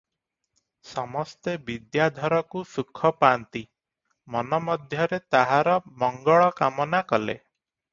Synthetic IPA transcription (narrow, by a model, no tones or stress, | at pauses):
sɔmɔst̪ebid̪jad̪ʱɔɾɔkusukʰːɔpaːnt̪i | mɔnɔmɔd̪ʱjɔɾet̪aɦaɾɔmɔŋɡɔɭɔkamɔnakɔlḛ